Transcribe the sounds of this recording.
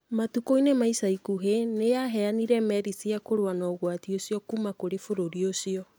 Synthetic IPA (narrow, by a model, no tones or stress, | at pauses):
matukoinemaisaikuɦenejaɦɛaniɾɛmɛɾisiakoɾowanɔɣwatiosijɔkumakoɾefoɾoɾiosiɔ